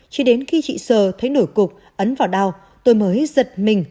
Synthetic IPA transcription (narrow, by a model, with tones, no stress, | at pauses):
t͡ɕi˧˦ɗe˨˦nxi˧t͡ɕḭ˧˨səː˨˩t̪ʰə˨˦jno˧˩jkʊ˨˩k͡p̚ | ʔə˨˦nvaː˨˩wɗa˧w | t̪o˧jməː˨˦jzə˨˩t̚mï˨˩ŋ̟